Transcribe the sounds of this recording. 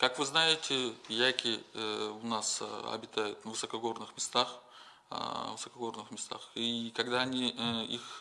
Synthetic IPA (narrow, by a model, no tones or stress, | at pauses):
kakvɨznajɪtʲɪjajkʲɪʊnasɐ̰bʲɪt̪ajʊt̪vɨsɐkɐɡo̞rnɨxmʲɪst̪ax | vɨsəkɐɡo̞rnɨxmʲɪst̪a̰xikɐɡd̪aːnʲiix